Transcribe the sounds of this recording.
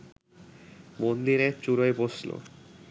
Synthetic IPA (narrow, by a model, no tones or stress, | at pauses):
bond̪iɾet͡ɕuɾoeboslo̰